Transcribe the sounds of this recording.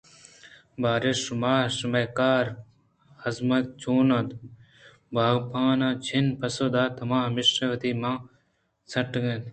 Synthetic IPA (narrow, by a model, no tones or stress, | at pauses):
baːɾeumaːsumɐjkaːɾ | hɐzmɐt̪t͡ʃoːnɐd̪ | bʱaːɡpaːnãːt͡ɕʰinpɐsod̪aːt̪ɐmãːɦmiʃɾɐʋɐt̪iːmãː | t͡sʰɐʈɡɐt̪